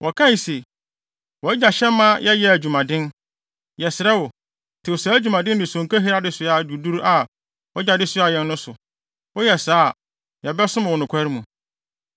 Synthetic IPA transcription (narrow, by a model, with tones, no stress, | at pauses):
wʔɔ˨kʰã˦i˨se˨ | wɔ˨˦d͡ʑa˨ɕɛ̃˦mːã˦jɛ˦jɛ˦æ˨d͡ʑᶣu˨mã˨dɪ̃˦n | jɛ˨sɪ˨ɾɛ˦wɔ˨ | tʰɪ˨wʊ˨sa˨˦æ˦d͡ʑᶣu˨mã˨dɪ̃˦n˦dɪ̃˨sɔ̃˨ŋ˨kʰa˦ɦi˦ɾa˦dɪ˦sʊ˨a˨du˨du˦ɾa˨ | wɔ˦d͡ʑa˨dɪ˦sʊ˦a˨jɛ̃˦nːʊ̃˦sʊ˨ | wɔ˦jɛ˨saː˦˨ | jɛ˨bɛ˦sʊ̃˦m˨wɔ˨nʊ̃˨kʷʰa˦ɾi˦mũ˨